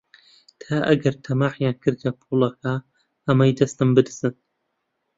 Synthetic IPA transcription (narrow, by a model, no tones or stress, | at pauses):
t̪ʰaːʔɐ̰ɡɐɾt̪ʰɐmaːħjankʰɨɾd̪ʰɐpʰulˠɐkʰa | ɐmɐjd̪ɐst̪ɨmbɨd̪ɨzɨn